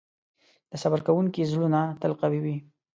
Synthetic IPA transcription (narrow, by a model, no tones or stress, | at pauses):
d̪̥əsabaɾkawuŋkizlunat̪alqawiwi